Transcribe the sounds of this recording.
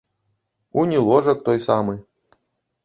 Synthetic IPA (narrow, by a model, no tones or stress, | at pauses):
unʲilˠɔʐɐk̚t̪ɔjsamɨ